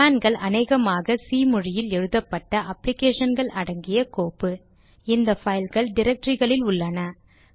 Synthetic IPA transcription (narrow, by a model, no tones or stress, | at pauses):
aːnɡɐɭʔɐneːɣɐmaːɣɐsiːmʊɻɪjɪlɛɻɯðɐpːɐʈːɐʔɐplɪkeːʂɐnɡɐɭʔɐɽɐŋɡɪjɐkoːpːɯ | ɪnd̪ɐfɐɪlɣɐɭɖɪɾɐk̚ʈɾɪɣɐɭɪlʊɭːɐnɐ